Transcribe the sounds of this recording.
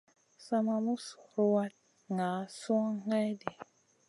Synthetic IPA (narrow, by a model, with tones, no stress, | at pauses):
sa˦ma˧mu˦so˨ɾwa˦t̚ | ŋa˨˦su˦a˦ŋa˦jde˨